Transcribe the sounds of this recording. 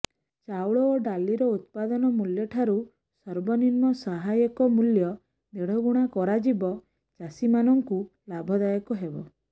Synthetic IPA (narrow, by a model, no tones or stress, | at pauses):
t͡ʃawɭɔoɖaliɾɔut̪̚pad̪ɔnɔmuljɔʈʰaɾu | sɔɾbɔninmɔsaɦajɔkɔmuljɔ | d̪eɽ̤ɔɡuɽ̃akɔɾad͡ʒibɔ | t͡ʃasimanɔŋku | labʱɔd̪ajɔkɔɦebɔ